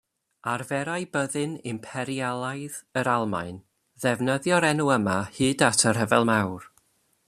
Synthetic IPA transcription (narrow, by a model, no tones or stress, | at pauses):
arvɛɾajbəðɨnɪmpʰɛɾjalˠajðəɾalˠma̰ɨn | ðɛvnəðjɔɾɛnuəmahɨːdatʰər̥ɦəvɛlˠmawr